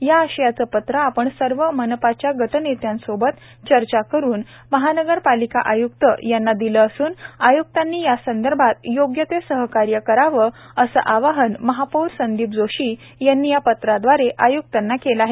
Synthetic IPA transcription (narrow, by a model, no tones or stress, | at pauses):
jaːɕəjat͡səːpət̪ɾəapəɳsəɾʋəmənəpat͡ɕjaɡʱəʈənet̪jansobət̪ | t͡ɕəɾt͡ɕakəɾuːn | məɦanəɡəɾpalika̰ʔajuk̚t̪ə̰janːad̪iləːsuːnajukt̪anːiːjasənd̪əɾbʱat̪joɡjət̪esəɦəkaɾjəkəɾaʋə | əsə̰ʔaʋaɦənməɦapuɾsənd̪iːp̚d͡zoɕiː | janːijapət̪ɾad̪ʋaɾeʔajuk̚t̪anːakelaɦe